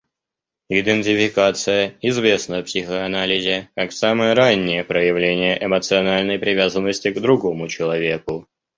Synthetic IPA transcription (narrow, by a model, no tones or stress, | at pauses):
ɪd̪ənʲtʲɪfʲɪkat̪sɨjəɪzvʲe̞snəpsʲɪxəɐnalʲɪzʲɪkaksaməjəɾanʲːɪjəpɾəjɪvlʲenʲɪjəʔɪmət̪sɨɐnalʲnəjpɾʲɪvʲazənːəsʲtʲɪɡd̪ɾʊɡo̞mʊt͡ɕɪlˠɐvʲe̞kʊ